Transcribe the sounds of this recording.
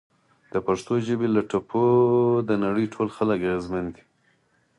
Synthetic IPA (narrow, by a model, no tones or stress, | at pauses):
d̪̥əpaʂt̪oʒəbelaʈapʰod̪ənaɽəjʈʰolxalakaɣezmand̪i̥